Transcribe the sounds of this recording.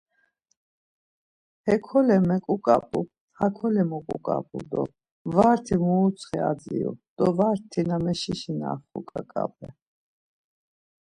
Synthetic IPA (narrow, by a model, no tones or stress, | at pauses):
hɛkʰɔlɛmɛkʼukʼapʼu | hakʰɔlɛmɔkʼukʼapʼud̪ɔ̰ | vaːɾt̪ʰimuːt͡sʰχɛad͡ziṵd̪̥ɔvaɾt̪ʰːinamɛʃiʃina̰ːχukʼakʼapʰʼɛ